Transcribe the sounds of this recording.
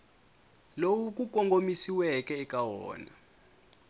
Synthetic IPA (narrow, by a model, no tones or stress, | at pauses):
lowuk̬ʼuk̬ɔŋɡomisiwɛkʼɛːkʼawɔ̰ːna̰